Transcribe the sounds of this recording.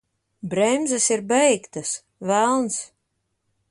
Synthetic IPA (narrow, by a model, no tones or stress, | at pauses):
bɾɛmzasiɾbɛjkt̪as | vælˠns